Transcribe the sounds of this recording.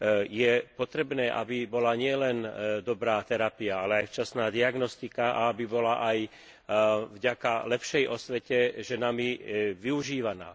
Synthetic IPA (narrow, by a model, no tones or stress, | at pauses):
jɛpɔt̪ɾɛbnɛːʔa̰bibɔlaɲɪɛlɛnd̪ɔbɾaːt̪ɛɾapiaalɛajft͡ʃasnaːd̪iaɡnɔst̪ikaʔa̰abibɔlaʔaj | vɟakalɛpʃɛjʔɔsʋɛcɛʒɛnamiʋiuʒiːʋana̰ː